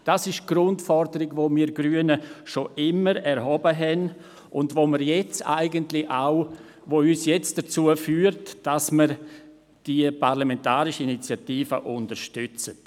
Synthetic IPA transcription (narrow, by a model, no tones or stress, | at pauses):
d̥asɪʃɡ̥ɾʊntfɔɾdəɾɪɡvoːmiːɾɡɾyːənəʃoʔɪməɾɛɾɦɔbəɦɛn | ʔʊndvoːməɾjɛt͡sa̰ɪɡəntlɪaʊ | voːyːsjɛt͡std̥ət͡suəfyːɾtd̥asməɾ | d̥iəpaɾlamɛntaːɾɪʃəinit͡sjatiːfəʔʊndəɾʃtʏt͡sət